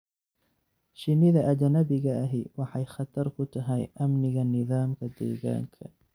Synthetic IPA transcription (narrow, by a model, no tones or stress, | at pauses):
ʃɪnɪðɐʔɐd͡ʒnɐbɪɣɐːɦɪwɑħɑjχɑt̪ʰɐɾkʰʊt̪ʰɐɦɛjʔɐmnɪɣɐnɪðaːmkʰɐd̪ɛ̰ːɣa̰ːŋkʰɐ